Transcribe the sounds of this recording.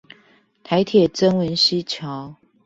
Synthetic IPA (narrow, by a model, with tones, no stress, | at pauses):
t̪ʰa˨˦ɪt̪ʰjɛ˨˩t͡sə˥ŋwə˨˦nɕi˦t͡ɕʰjɑ˨˦ʊ